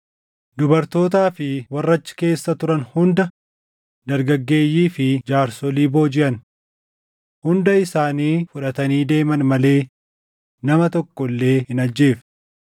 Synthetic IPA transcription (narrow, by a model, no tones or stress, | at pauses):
d̪ʊbɐɾt̪o̞ːt̪̬aːfɪwɐrːɐt͡ʃːɪ̥ke̞ːsːɐt̪ʊɾɐnhʊnd̪ɐ | d̪ɐɾɡɐɡːe̞ːjːiːfɪd͡ʒaːɾsɔliːbo̞ːd͡ʒɪʔɐn | hʊnd̪ɐɪsaːniːfʊᶑɐt̪ɐniːd̪e̞ːmɐnmɐle̞ː | nɐmɐt̪ɔkːɔlːe̞ːhɪnɐd͡ʒːe̞ːf